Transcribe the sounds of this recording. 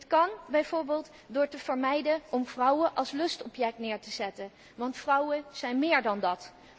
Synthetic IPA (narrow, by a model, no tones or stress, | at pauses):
tkɑnbɛjvoːɹbɪːlˠt | dʊːɹtəvəɹmɛjdənʔɔmvrɔwəʔɑlˠslɵstɔpjɛk̚tnɪːɹtəzɛtən | ʋɑntfrʌwəz̥ɛjnmɪːɹdɑndɑt